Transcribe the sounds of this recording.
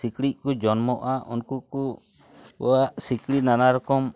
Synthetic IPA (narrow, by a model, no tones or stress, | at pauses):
ikliʔ̚kud͡ʒɔnmɔʔaʔṵnkuku | bɔ̰waʔsiklinanaɾɔkɔm